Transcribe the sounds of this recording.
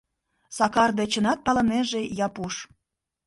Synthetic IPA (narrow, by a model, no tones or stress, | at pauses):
sɑkɑrd̪et͡ɕənɑt̪̚pɑlə̆meʒejɑpuʃ